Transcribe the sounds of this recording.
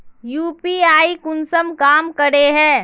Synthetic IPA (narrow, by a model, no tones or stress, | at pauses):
juːpiaːikʊnsəmkaːmkəɾeɦɛ̃ː